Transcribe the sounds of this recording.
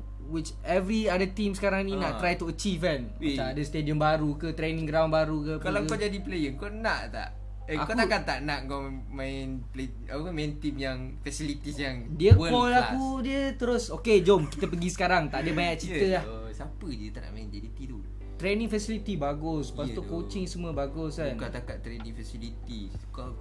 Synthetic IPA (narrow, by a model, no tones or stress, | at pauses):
wit͡ʃ | ɛvɾiadət̪imsə̥kaɾaŋnĩnaʔ̪ɾajt̪uət͡ʃifan | aadəst̪ediəmbaɾukət̪ɾenĩŋɡɾawnbaɾukəkalawkod͡ʒadiplejəŋkonaʔt̪a̰ʔ | ɛakok̪akant̪aʔnaʔkom | maɪn | ple | apəkamant̪imjaŋ | fɛsilit̪isjaŋdiəɔlaudiət̪əɾʊsoked͡ʒɔmki̥t̪əpəɡisə̥kaɾaŋt̪aʔdiəbaɲaʔt͡ʃit̪əlah | sapədiət̪aʔna̰ʔmaind͡ʒadit̪idu | t̪ɾenɪ̃ŋfɛsilit̪ibaɡʊspast̪okot͡ʃɪŋsəmuəbaɡʊsankat̪akat̪ːɾeniŋfɛsilit̪i | ko